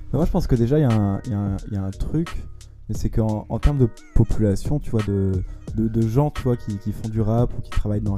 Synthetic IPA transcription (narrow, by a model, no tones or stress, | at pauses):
bɛmwaʒəpɑ̃skəd̪eʒaijaɛ̃jaɛ̃jaɛ̃t̪χykʲ | mɛsɛkəɑ̃ɑ̃t̪ɛʁməd̪əpɔpʰylasjɔ̃t̪yvwad̪əd̪əd̪əʒɑ̃t̪yvwakʲikʲifɔ̃d̪yʁapukʲi̥t̪χavajd̪ɑ̃